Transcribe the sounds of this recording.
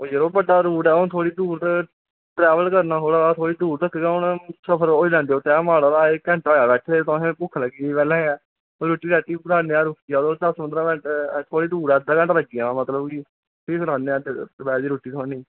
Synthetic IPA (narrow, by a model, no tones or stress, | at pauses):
oːd͡ʒəɾoːbəɖaːɾuːʈɛːʊnt̪ʰoːɽiːd̪uːɾt̪ | ʈɾɛːʋəlkəɾnaːoːɽaːt̪ʰoːɽiːd̪uːɾd̪əkʰːɡãːʊnsəpʰəɾoːiːd͡ʒãːnd̪eːoːt̪ɛ̃ːmaːɽaːlaːekɛ̃ːɳʈɦoːjaːbɛːʈʰet̪ɔ̃ːẽpʊkʰːləɡiːpɛːlɛ̃ːɛː | oɾuːʈːiːɾɛːʈiːbɾaːneːaːɾʊkiad̪oːd̪əsmənd̪əɾaːbɛːʈt̪ʰoːɽiːd̪uːɾɛːd̪aːkɛ̃ːʈləɡiːãːmət̪ləbkiː | pʰiːkəɾaːneːad̪bɛːd̪iːɾuːʈːiːt̪ʰoːniː